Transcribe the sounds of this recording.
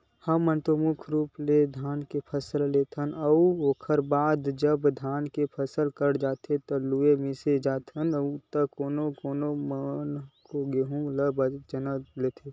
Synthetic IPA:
həmːənt̪omʊkʰɾuːpled̪ʱaːnkepʰəsəlleːt̪ʰənɐuoːkʰəɾbaːd̪d͡ʒəbd̪ʱaːnkepʰəsəlkəɽd͡ʒaːt̪ʰet̪oluemẽsed͡ʒaːt̪ʰənəut̪əkoːnokoːnomənkoɡeːɦũɡləbəd͡ʒənəleːt̪ʰe

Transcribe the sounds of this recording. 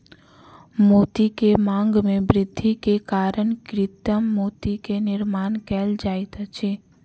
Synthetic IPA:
moːt̪ikemãːŋɡmẽbɾɪd̪ʱːikekaːɾəɳkɾɪt̪əmːoːt̪ikenɪɾmaːnkɛːld͡ʒaːjt̪at͡ʃʰe

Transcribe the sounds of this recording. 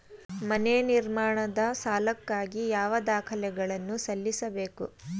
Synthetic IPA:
mɐneniɾmaːɳɐd̪ɐsaːlɐkːaːɡijaːʋɐd̪aːkʰɐlɛɡɐɭɐnːusɐlːisɐbe̞ːku

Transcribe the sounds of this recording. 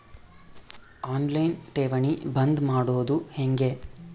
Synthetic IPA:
aːnlɐjnʈeːʋɐɳibɐnd̪maːɽoːd̪uheŋɡe

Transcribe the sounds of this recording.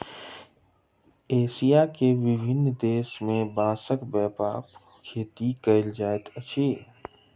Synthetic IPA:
eːsijakeʋɪbʱɪnːd̪eːʃmẽbãːsəkbɛːpa̰ːp | kʰeːt̪ikəɪld͡ʒaːet̪ət͡ʃʰeː

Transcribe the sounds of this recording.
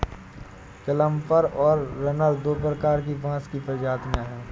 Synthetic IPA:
kɐlə̃mpəɾɔːɾːɐnəld̪oːp̬ɾəkaːɾk̬ibãːskipɾəd͡ʒaːt̪ijãɦɛː

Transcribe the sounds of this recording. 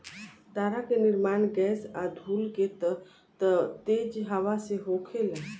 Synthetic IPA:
t̪aɾakeniɾmanɡɛsad̪ʱulket̪ | t̪ət̪ed͡ʒɦaʋaseɦokʰele

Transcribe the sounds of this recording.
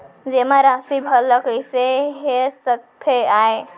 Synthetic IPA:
d͡ʒemaɾasibʱəlːəkəjseɦeɾsət̪ʰːeae

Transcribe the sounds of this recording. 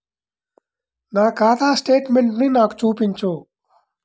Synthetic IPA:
naːkaːt̪aːsʈeːʈmeɳʈniːnaːku̥t͡ʃuːpiɲt͡ʃoː

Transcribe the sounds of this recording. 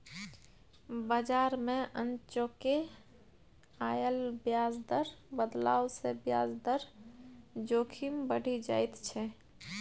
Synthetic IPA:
bəd͡ʒaɾmẽʔənt͡ʃoke | ajəlbjazd̪əɾbəd̪laːwsebjaːzd̪əɾ | d͡ʒoːkʰimbəɽ̤ʱid͡ʒa̰ːjt̪t͡ʃʰɛ

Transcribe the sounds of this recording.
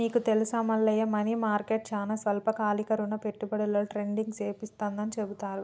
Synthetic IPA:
miːkut̪elusɐmɐlːɐjɐmɐnimaːɾkeːʈ̚t͡ʃaːnɐsʋɐlpɐkaːlikɐɾunːɐpeʈːubɐɽɐlɐʈɾeɳɖiŋɡseːpist̪aːnd̪ɐnit͡ʃebut̪aːɾu

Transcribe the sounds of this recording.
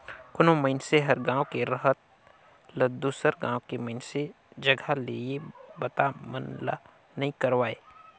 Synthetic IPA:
kʊnõməɪnseɦəɾɡãːwkeɾəɦət̪̚ | ləd̪uːsəɾɡã̰ːwkeməɦɪnse | d͡ʒəɡʱalḛebət̪amənla̰ | nɐɦĩkəɾʋaːeː

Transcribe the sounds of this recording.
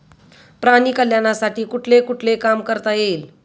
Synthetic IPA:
pɾaniːkəljanasaʈiːkuʈʰlekuʈʰlekamkəɾt̪ajeːl

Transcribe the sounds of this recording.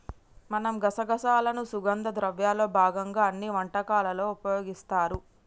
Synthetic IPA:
mɐnɐmɡɐsɐɡɐsaːlɐnusuɡɐnd̪ɐd̪ɾɐʋjaːlo̞ːbʱaːɡɐŋɡaːɐnːiʋɐɳʈɐkaːlɐlo̞ːupɐjo̞ːɡist̪aːɾu

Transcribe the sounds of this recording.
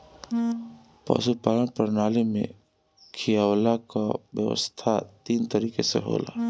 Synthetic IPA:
pa̰ʃupaːlənpəɾnaːlemḛ̃ | kʰijaːwlakaʋjə̰ʋə̰st̪ʰat̪iːnt̪əɾiːkesḛɦo̰ːla̰ː

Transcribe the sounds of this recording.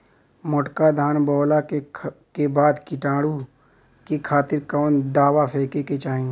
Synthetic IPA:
mʊʈkad̪ʱaːnbɔːlakekebaːd̪kɪʈaːɽu | kikʰaːt̪ɪɾkaːnd̪aːwapʰeːkeket͡ʃaːɦĩ

